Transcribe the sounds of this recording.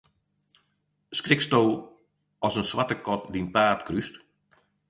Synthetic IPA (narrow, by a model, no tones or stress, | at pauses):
skrɪkstoː | ɔsənswatəkʰɔt̚dinpaːrtkryst